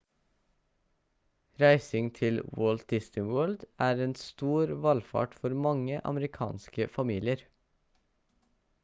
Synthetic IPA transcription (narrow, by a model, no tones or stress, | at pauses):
ɾæɪsɪŋt̪ʰɪlwoːlt̪̚d̪ɪst̪ɪŋwɜːld̪ʔæːɾeːnst̪uːɾʋɑlfɑ̰ːʈfɔɾmɑŋəʔɑ̰məɾɪkʰɑ̰ːnskəfɑmiːlɪəɾ